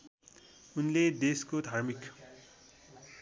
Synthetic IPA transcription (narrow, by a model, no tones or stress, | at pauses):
unled̪eskod̪ʱarmik